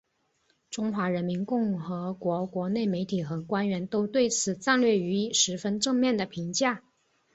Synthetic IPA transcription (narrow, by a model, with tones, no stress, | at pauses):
ʈ͡ʂʊ˥ŋxwa˧˥ɻə˧˥nmi˧˥nkʊ˥˩ŋxɤ˧˥kwɔ˧˥kwɔ˧˥ne˥˩ɪme˧˥ɪt̪ʰi˨˩xɤ˧˥kwa˥nɥɛ˧˥nt̪o˥ʊt̪we˥˩ɪt͡sʰɹ̩˨˩t͡sa˥˧nlɥɛ˥˩y˧˥ʂɻ̩˧˥fə˥nʈ͡ʂɤ˥˧ŋmjɛ˥˩nd̪ə˩pʰi˧˥ŋt͡ɕja˥˩